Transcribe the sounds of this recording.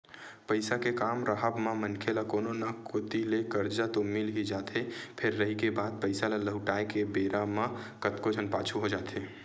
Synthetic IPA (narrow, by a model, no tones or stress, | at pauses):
pəɪsakekaːmɾəɦəbmamənkʰelakoːnonəkot̪ilekəɾd͡ʒat̪omilɦid͡ʒat̪epʰeɾːəɦikebaːd̪̚pəɪsaleləɦʊʈaekebeɾamakət̪kod͡ʒʱənpaːt͡ʃʰuɦod͡ʒaːt̪ʰe